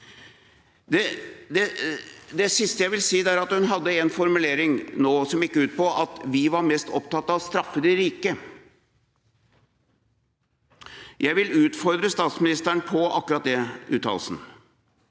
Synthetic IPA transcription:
d̪ɛd̪ɛd̪ɛsɪst̪əjæɪʋɪlsiːd̪æɾɑt̪hʉnɦɑd̪ːəɛnfɔɾmʉleːɾɪŋnoːsɔmɪkːəʉːt̪̚pɔʔɑt̪ʋɪʋɑɾmɛst̪ɔpt̪ɑt̪ːɑʋst̪ɾɑfːəd̪ɪɾiːkə | jʔæɪʋɪlʉːt̪fɔɾd̪ɾəst̪ɑːt̪smɪnɪst̪əɳpʰɔɑkːʉɾɑt̪̚d̪ɛʉ̰ːt̪ʰːɑ̰ːlsn̩

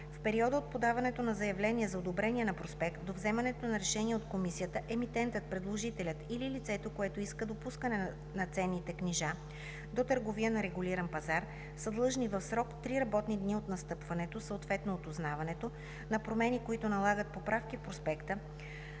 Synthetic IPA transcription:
fpɛɾiɔd̪əot̪̚pod̪avɐnɛt̪onɐzɐjɐvlɛnʲiɛzɐod̪obɾɛnʲiɛnɐpɾospɛkt̪̚d̪ovzɛmɐnɛt̪onɐɾɛʃɛniɛot̪komisijət̪əʔɛmit̪ɛnt̪ət̪̚pɾɛd̪lˠoʒit̪ɛlʲət̪ililit̪sɛt̪okoɛt̪oiskəd̪opuskənɛ | nɐt̪sɛnːit̪ɛkniʒa | d̪ot̪əɾɡovijənɐɾɛɡʊliɾɐnpɐzaɾ | səd̪lˠɤʒnivəfsɾɔkt̪ɾiɾɐbɔt̪nid̪niot̪nɐst̪ɤpvɐnɛt̪osəot̪vɛt̪noːt̪oznavɐnɛt̪o | nɐpɾomɛnikoit̪onɐlˠaɡət̪̚popɾafk̟ifpɾospɛkt̪ə

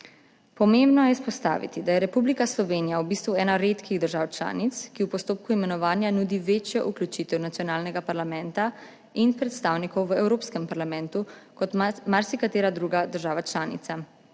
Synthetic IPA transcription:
pɔmembnɔjɛispɔst̪a̰ːʋḭt̪id̪ajɛɾɛpublikaslɔʋeːnijawbist̪ʋuɛːnaɾet̪kiɣd̪əɾʒawt͡ʃla̰ːnit̪skiwpɔst̪oːp̚kuimɛnɔʋaːnjanud̪iʋeːt͡ʃjɛʔuklʲut͡ʃit̪ɛwnat̪sjɔnaːlnɛɡapaɾlamɛ̃nt̪a | inpɾɛt̪st̪aːwnikɔwʋəɛwɾoːpskɛmpaɾlamɛ̃nt̪ukɔt̪maɾsikat̪eːɾad̪ɾuːɡad̪əɾʒaːʋat͡ʃlaːnḭt̪sa

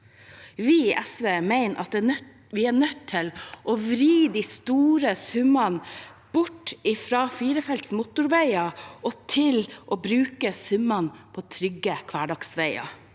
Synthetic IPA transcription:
ʋiʔɛsʋeːmæɪnʔɑ̰t̪̚d̪ɛː | ʋɪæːɳœt̪ʰːɪlʔoʋɾiːd̪ist̪uːɾəsʉmɑn | b̥ʊʈɪfɾɑːfiːɾəfɛlt̪smʊt̪ʊɾʋæɪɑʔɔt̪ʰɪlʔoːbɾʉːkəsʉmɑnpʰoːt̪ʰɾʏɡːəkʰʋæːɖɑksʋæɪɑ̰

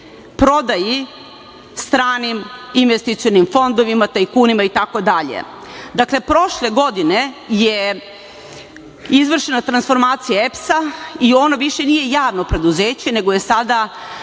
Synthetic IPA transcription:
pɾo̞d̪aji | st̪ɾaːniminʋest̪it̪sionimfo̞nd̪o̞ʋimat̪aikuːnimait̪ako̞d̪aʎḛ | d̪akle̞pɾo̞ʃle̞ɡo̞d̪ine̞je | izʋr̩ʃenat̪ɾansfo̞ɾmaːt̪sijaepsaio̞noʋiʃe̞nije̞jaːʋnopɾe̞d̪uzeːt͡ɕene̞ɡoje̞sad̪a

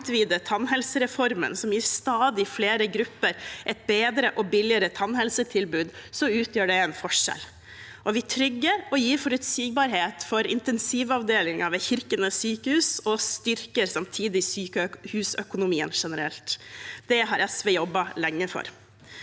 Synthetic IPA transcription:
t̪ʋiːd̪ət̪ʰɑnɦɛlsəɾɛfɔɾmə̰nsɔmjiːst̪ɑːd̪ɪfleːɾəɡɾʉpːəɾʔɛt̪̚beːd̪ɾəʔɔbɪlɪəɾət̪ʰɑnhɛlsət̪ʰɪlbʉːd̪sɔʉːt̪ʰjøːɖɛɛnfɔʂɛ̰l | ʔɔʋɪt̪ʰɾʏɡːəɾɔjiːɾfɔɾʉt̪siːɡ̚bɑɾɦeːt̪fɔɾɪ̰nt̪ɛnsiːʋɑʋd̪eːlɪŋɑʋɛt̪çɪɾkənəsyːkəhʉːsɔst̪ʏɾkəɾsɑmt̪ʰiːd̪ɪsyːkəhʉːsœkʊnʊmiːə̰nʂɛnəɾɛlt̪d̪̥ɛɦɑɾʔɛsʋeːjɔbːɑlɛŋːəfɔ̰ɾ

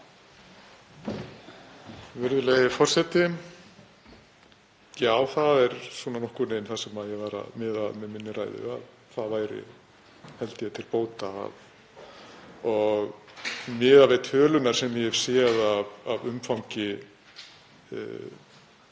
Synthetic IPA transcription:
vɪɾðʏleðɪfɔr̥sɛt̪ɪ | jaːwθaðɛɾ̥sɔːnanɔhkʏɾnejnθasɛmaðjɛɣvaːɾa̰ðmɪðaðmɛðmɪnːɪɾaːjðʏ̰a̰ð | θaðvaːjɾɪ̰ | hɛlt̪ɪjɛt̪ʰɪlpoːwt̪a̰ːv | ɔɣmɪːðavet̪ʰœːlʏnaɾ̥sɛmjɛhɛv̥sjɛðavavʏmfaw̃ŋcɪ

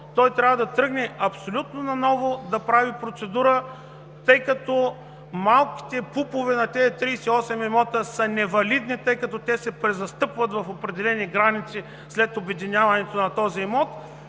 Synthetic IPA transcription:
t̪ɔjt̪ɾʲavɐd̪ɐt̪ɾɤɡnɛɐpsolʲut̪nonɐnɔvod̪ɐpɾavipɾot̪sɛd̪uɾə | t̪ɤjkɐt̪ɔ | malˠki̥t̪ɛpupovɛnɐt̪ɛt̪ɾiːsɛiɔsɛmɛmɔt̪əsənɛvɐlid̪nit̪ɤjkɐt̪ɔt̪ʲɛsɛpɾɛzɐst̪ɤpvɐt̪vɐfopɾɛd̪ɛlɛniɡɾanit̪si | slɛt̪obɛd̪inʲavɐnɛt̪onɐt̪ɔziɛmɔt̪

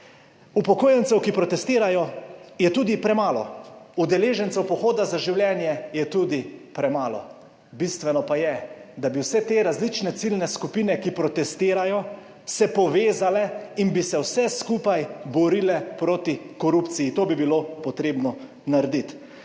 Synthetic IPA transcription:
upɔkoːjɛnt̪sɛwkipɾɔt̪ɛst̪iːɾajɔjɛt̪uːd̪ipɾɛmaːlɔ̰ud̪ɛleːʒɛnt̪sɛwpɔxoːd̪azaʒiwljɛːnjɛjɛt̪uːd̪ipɾɛmaːlɔ̰ | bist̪ʋɛnɔpajɛd̪abiwsɛt̪eːɾazlit͡ʃnɛt̪silnɛskupiːnɛkipɾɔt̪ɛst̪iːɾajɔ | sɛpɔʋeːzalɛinbisɛwsɛskuːpajbɔɾiːlɛpɾoːt̪ikɔɾupt̪sijit̪oːbibilopɔt̪ɾeːbnɔ | naɾd̪it̪

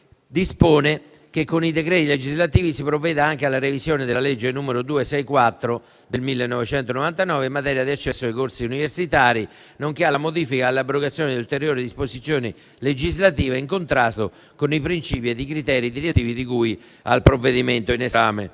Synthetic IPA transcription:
d̪ispoːne | k̟ekːonid̪ekɾɛːt̪iled͡ʒizlat̪iːvisipɾovːɛːd̪aaŋkealːaɾevisjoːned̪elːaled͡ʒːenuːmeɾod̪uːesɛjkwat̪ːɾo | d̪elmilːenːɔvet͡ʃɛnt̪onovant̪anɔːveimːat̪ɛːɾjad̪iat͡ʃːɛsːoajkorsiuniversit̪aːɾi | noŋkealamod̪iːfikaːlːabːɾoɡat̪sːjoːned̪iult̪eɾjoːɾid̪isposit̪sjoːni | led͡ʒizlat̪̬iːveiŋkont̪ɾast̪o | konipɾint͡ʃiːpied̪ikɾit̪ɛːɾid̪iɾet̪iːvid̪ikuj | a̰lpɾovːed̪iment̪oinesaːmḛ

